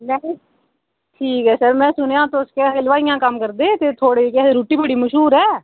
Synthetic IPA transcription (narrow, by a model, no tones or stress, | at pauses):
lɛ | ʈʰiːkɦɛːsəɾmɛ̃ːsʊnejãːt̪oskekeləʋaːijãːkəmkəɾd̪eːt̪eːt̪ʰoːɽeːkɛeɾuːʈiːbəɽiːməʃɦuːɾɦɛː